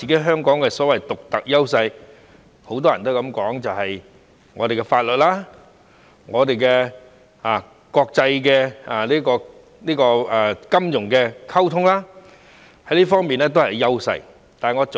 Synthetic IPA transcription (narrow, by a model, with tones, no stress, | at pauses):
iː˨ke˨˥ɦœː˥ŋkɔː˨˥ŋkɛ˧sɔː˨˥wɐ˨˩jt̪ʊ˨k̚t̪ɐ˨k̚jɐ˥wsɐ˧j | ho˧˥wt̪̬ɔː˥jɐ˨˩nt̪̬wkɐ˨˥mkɔː˨˥ŋt͡sɐ˨wɦɐ˨j | ŋɔː˨˧t̪e˨jkɛ˧faː˧t̚lɵ˨t̚laː˥ | ŋɔː˨˧t̪e˨jkɛ˧ | aː˨ | kɔː˧k̚t͡sɐ˧jkɛ˧a˨liː˥kɔː˧ | niː˥kɔː˧aː˨˩kɐ˥mjʊ˨˩ŋkɛː˧kʰɐ˥wt̪ʰʊ˥ŋlaː˥ | hɐ˨˥jliː˥fɔː˥ŋmiː˨nɛː˥t̪̬o˥whɐ˨˩jːɐ˥wsɐ̰˧j | t̪aː˨˩ŋɔː˨˧t͡s